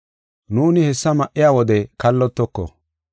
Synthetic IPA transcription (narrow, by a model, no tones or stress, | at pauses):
nuːnɪhɛsːɐmɐʔːɪjaːwɔd̪ɛkɐlːɔt̪ːɔkːɔ̰